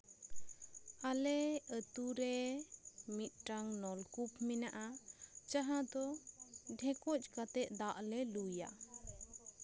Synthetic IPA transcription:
alɛət̪uɾɛ | mit̪̚ˀʈaŋnɔlkupmɛnaʔat͡ʃaɦãd̪ɔɖʱɛ̃kɔc̚ʼˀkat̪ɛʔ̪̚d̪aʔlɛluja̰

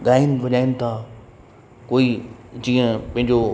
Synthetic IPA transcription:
ɠaːinʋɐɲaːinɪ̆t̪ʰa | koːid͡ʑĩːə̃pɐ̃ɦɪ̃ɲ̆d͡ʑo

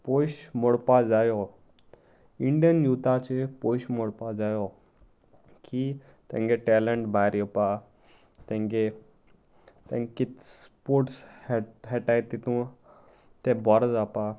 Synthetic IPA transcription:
pojɕmoɽpad͡zajo | iɳɖijənjuːt̪ʰat͡ɕepojʃmoɽpad͡zajo | ki | t̪ɛ̰̃ŋɡeʈeləɳʈbʱaɾjopa | t̪ɛ̃ŋɡe | t̪ɛ̃ŋkit̪spoːɾʈsɦeʈajt̪it̪ũ | t̪ebɔɾd͡zapa

